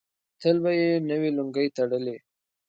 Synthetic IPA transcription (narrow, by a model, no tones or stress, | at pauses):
t̪əlbajenəwilʊŋɡəjt̪aɽəle